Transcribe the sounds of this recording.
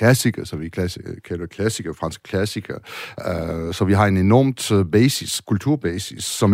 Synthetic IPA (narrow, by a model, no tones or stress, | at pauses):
læsiɡ̥ɐsɒʋikʰlæsikʰælɐ̥kʰlæsiɡ̥ɐfʁɑ̈nsɡ̥ə̥kʰlæsiɡ̥ɐ | sɒ̽ʋiɦɑ̈e̝ne̝nɒ̰ːmd̥b̥ɛːsiskʰult͡sʰuɐ̰b̥ɛːsisːɒ̽m